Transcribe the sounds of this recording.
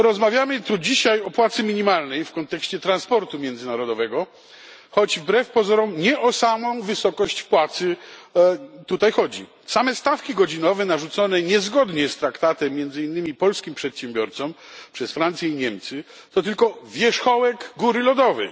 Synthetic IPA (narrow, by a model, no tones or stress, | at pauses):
ɾɔzmavʲjamɘt̪ud͡ʑiɕajɔpwat̪sɘmʲiɲimalnɛjfkɔnt̪ɛkɕt͡ɕɛt̪ɾanspɔɾt̪umʲjɛnd̪zɨɪnaɾɔd̪ɔvɛɡɔ | xɔd͡ʑvbɾɛfpɔzɔɾɔmɲɛʔɔsamɔ̃w̃vɘsɔkɔɕt͡ɕpwat̪sɘ | t̪ut̪ajxɔd͡ʑḭ | samɛst̪afkʲiɡɔd͡ʑinɔvɛnaʐut̪sɔnɛɲɛzɡɔd̪ɲɛst̪ɾakt̪at̪ɛmːjɛnzɘinːɘmʲipɔlskʲimpʂɛt̪ɕɛmbʲjɔɾt̪sɔmpʂɛsfɾant̪sʲjɛiɲɛmt̪sɘ | t̪ɔt̪ɘlkɔvʲjɛʂxɔwɛɡɡuɾɘlɔd̪ɔvɛ̰j